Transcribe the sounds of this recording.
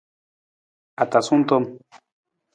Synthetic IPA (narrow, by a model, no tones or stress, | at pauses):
at̪asunt̪om